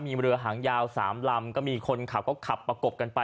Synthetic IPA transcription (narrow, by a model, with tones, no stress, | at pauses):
miː˧ɾɯ˧ɐɦaː˩˦ŋjaː˧wsa̰ː˩˦mla˧mkɔː˥˩miː˧kʰo˧nkʰa˨˩p̚kɔː˥˩kʰa˨˩pːɾa˧ko˨˩p̚ka˧npa˧